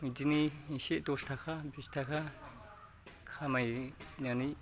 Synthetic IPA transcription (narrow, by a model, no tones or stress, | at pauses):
ĩd͡ʒiniĩʃiʔt̪ust̪ʰakʰabist̪ʰakʰa | kʰamajɲani